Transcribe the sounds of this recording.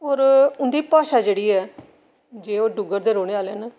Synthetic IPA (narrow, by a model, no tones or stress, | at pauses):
oːɾʊnd̪iːpaːʃaːd͡ʒeːɽiːɛː | d͡ʒeːoːɖʊɡəɾd̪eːɾoːɽ̃eːaːlɛːnəː